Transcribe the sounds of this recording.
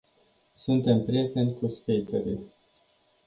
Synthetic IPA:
sunt̪e̞mpɾije̞t̪e̞nʲkuskejt̪eɾḭl

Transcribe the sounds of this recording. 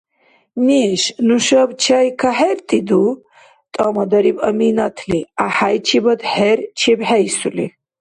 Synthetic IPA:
miʃnuʃɐbt͡ʃʰajkʰaɦeɾt̪ʼid̪u | t̪ʼamɐd̪ɐɾibɐminat̪ʰliaħajt͡ʃʰibɐd̪ħeɾt͡ʃʰibħɛjsulḭ

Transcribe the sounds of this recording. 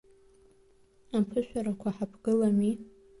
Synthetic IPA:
apʰɨʃʷᶣaɾakʷʰaħapʰɡɨlami

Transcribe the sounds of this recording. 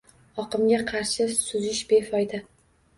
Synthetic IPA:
ɒqʰɨmɡʲaqʰɑɾʃɪsʊzɪʃbe̞fɒjd̪a

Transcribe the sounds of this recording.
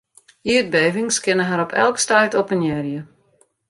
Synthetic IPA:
iət̚beːvɪŋskɪnəɦaɾɔpʰɛ̰lˠkstajtopənjɛrjə

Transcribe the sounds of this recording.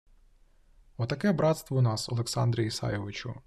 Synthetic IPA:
ɔt̪ɐkɛbɾɑt̪st̪ʋɔunɑsɔ̰lˠeksɑnd̪ɾʲijisɑ̰jeʋɪt͡ʃʊ̰

